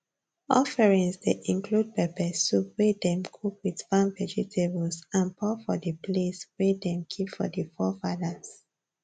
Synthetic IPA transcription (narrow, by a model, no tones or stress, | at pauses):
ɔfɛɹĩnsdeʔĩŋklud̚pɛpɛsːowedɛ̃mkʰukwidfãnvɛd͡ʒitʰebəlsãnpʰɔfɔdəpleswedɛ̃mkʰipfɔ̰dəfɔfadas